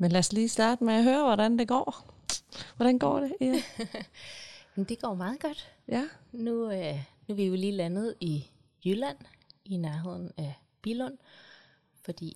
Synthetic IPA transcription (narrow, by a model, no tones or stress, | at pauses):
menlæɐsliːsd̥ɑ̈ːd̥əmeæɦøːɐʋɒɾænd̥e̝ɡ̥ɒ̰ː | ʋɒɾænɡ̥ɒ̰ːɾ̥e̝ | d̥e̝ɡ̥ɒ̰ːmɑ̈ːð̩ˠɡ̥ɒ̽d̥ | jænunuʋijiliːlænəð̞̩ˠi | jylæn̰inæɐɦe̝ð̞̰ˠn̩æ | b̥ilɔn̰ | fɒ̽d̥ḭː